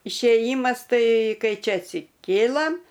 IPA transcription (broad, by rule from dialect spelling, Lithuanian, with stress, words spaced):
ɪʃʲeːˈjiːmɐs ˈtɐɪ ˈkɐɪ ˈt͡ʃʲɛ ɐtʲsʲɪˈkʲeːlˠɐm